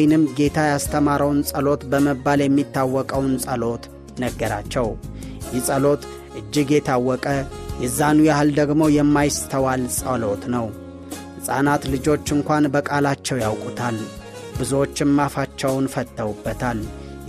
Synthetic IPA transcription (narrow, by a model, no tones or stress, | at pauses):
jnɨmɡe̞t̪ʰajast̪ʰəmaɾəwnsʼəlo̞t̪bəməbːaljɛmːit̪ːawːɔkʼəwnsʼəlo̞t̪ | nəɡːəɾa̰t͡ʃːɛwjɛsʼəlo̞t̪ | ʔɨd͡ʒːɪɡjɛt̪ʰawːɔkʼəjɛzːanujahɨld̪əɡmo̞jɛmːajɪst̪ʰəwalsʼəlo̞t̪nəw | hɨsʼa̰nat̪lɨd͡ʒo̞t͡ʃːɨŋkʷanbəkʼalat͡ʃːɛwjawkʼut̪ʰal | bɨzuot͡ʃːɪmmafat͡ʃːɛwnfət̪ʼːəwubːət̪ʰal